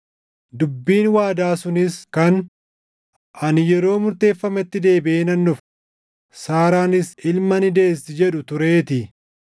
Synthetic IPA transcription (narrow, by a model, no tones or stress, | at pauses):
d̪ʊbːiːnwaːd̪aːsʊnɪskɐn | ʔɐnjɛɾo̞ːmʊɾt̪e̞ːfːɐmɛt̪ːɪd̪e̞ːbɪʔeːnɐnːʊf | saːɾaːnɪsɪlmɐnɪd̪e̞ːsɪd͡ʒɛᶑʊt̪ʊɾe̞ːt̪ɪ